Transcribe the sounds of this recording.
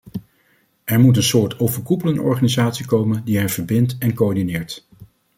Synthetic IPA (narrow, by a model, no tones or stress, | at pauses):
ʔɛɹmut̬ənsʊːɹtowvəɹkupələnɔ̰ɹχaːnizaːtsikowməndiɦɛjvəɹbɪntɛnkoːɹdinɪːɹt